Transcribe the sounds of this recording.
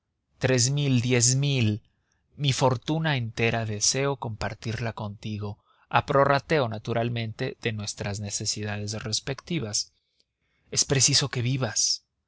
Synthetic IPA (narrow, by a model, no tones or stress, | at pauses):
t̪ɾe̞zmild̪je̞zmil | mifo̞ɾt̪unaent̪e̞ɾaðe̞se̞o̞ko̞mpaɾt̪iɾlako̞nt̪iɣo̞ | apɾo̞rat̪e̞onat̪uɾalmẽ̞nt̪e̞ð̥e̞nwe̞st̪ɾazne̞se̞siðaðe̞sre̞spe̞kt̪iβas | e̞spɾe̞siso̞ke̞βiβas